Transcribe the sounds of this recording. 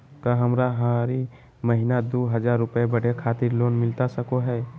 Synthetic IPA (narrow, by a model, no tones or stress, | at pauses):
kaɦɐmɾaɦaɾi | məɦɪnad̪oːɦəd͡ʒaːɾːʊpebəɽ̤ekʰaːt̪ɪɾloːnmɪlt̪asəkoɦɛː